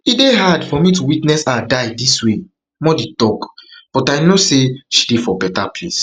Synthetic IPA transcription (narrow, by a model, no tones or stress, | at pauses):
ideɦadfɔmituwitnɛsadajdiswe | mɔdetɔkb̥ɔtaɪnoseʃi̥defɔbɛtapʰles